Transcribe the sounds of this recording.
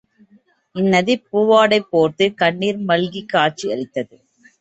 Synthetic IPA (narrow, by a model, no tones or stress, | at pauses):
ɪnːɐðipuːʋaːɽɐɪpːoːɾt̪ɯkɐɳːiːɾmɐlɣikːaːʈ̚t͡ʃiɐɻɪt̪ːɐðɯ